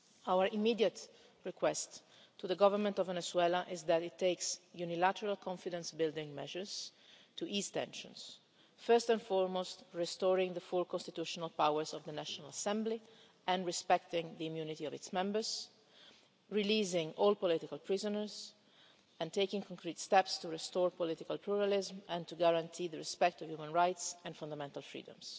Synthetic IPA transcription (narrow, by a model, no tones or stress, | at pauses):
awəɹimːiːd̪jət̪ | ɹɛkwɛstʰː | uðəɡɔvəɾmɛ̃nt̪ɔvːɛnɛswɛlaʔɪzðætɪtʰːeɪksjunilat̪əɹalkʰɔ̃ɱfid̪ɛ̃nsbɪld̪ɪ̃ŋmɛʒəɹz̥ | t̪uʔizt̪ɛ̰̃nʃɔ̰̃ns | fɜɹst̪ɛ̃nfɔɹmost̪ɹɛst̪ɔːɹɪ̃ŋðəfulkɔ̃nst̪it̪uʃɔnalpawəɹzɔvd̪ənaʃɔnalasɛ̃mbli | ɛ̃nɹɛspɛk̚t̪ɪ̃ŋd̪əimjunit̪iɔvɪt̪smɛ̃mbəɹz | ɹiliːzɪ̃ŋɔlpɔlɪt̪ɪkalpɹɪzɔnəɹz | ɛ̃nt̪eɪkɪ̃ŋkʰɔ̃ŋkʰɾɹiːt̪st̪ɛpst̪uɹɛst̪ɔːɹpɔlɪt̪ɪkalpʰluɹalɪzmɛ̃nt̪uɡaɾãnt̪ʰiːðəɹɛspɛk̚t̪ɔvjumə̃nɹajtsɛ̃nfãnd̪amɛ̃nt̪alˠfɹḭːdə̰̃ms